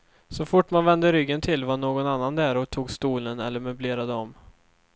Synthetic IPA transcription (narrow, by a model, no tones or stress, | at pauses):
sɔfʊʈːmanvɛnd̪əɾʏɡːənt̪ʰɪlvaɳoːɡɔnanːand̪ɛːɾɔt̪ʰuːɡst̪uːlənɛ̰lːəɾmɛbleːɾad̪əɔm